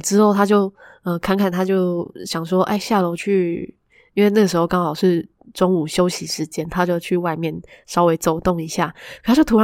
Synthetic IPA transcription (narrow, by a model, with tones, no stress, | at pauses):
ʈ͡ʂɻ̩˦˥xo˥˩ʊt̪ʰa˥t͡ɕjo˥˩ʊ | ə˧˩kʰa˥˧nkʰa˥˩nt̪ʰa˥t͡ɕjo˥˩ʊɕjɑ˨˩ŋʂwɔ˥ʔa̰˥˩ɪɕja˥˩lo˧˥ʊt͡ɕʰy˥˩ | i˥nwe˥˧na˥˩ɡə˩ʂɻ̩˧˥xo˥˧ʊkɑ˥ŋxɑ˨˩ʊʂɻ̩˥˩ | ʈ͡ʂo˥ŋu˨˩ɕjo˥ʊɕi˨˥ʂɻ̩˧˦t͡ɕjɛ˦nt̪ʰa˥t͡ɕjo˥˧ʊt͡ɕʰy˥˩wa˥˧ɪmjɛ˥˩nʂɑ˥ʊwe˧˥ɪt͡so˨˩ʊt̪o˥˩ŋi˧˥ɕja˥˩k̪ʰa˥t͡ɕjo˥˩ʊt̪ʰu˧˥ɻ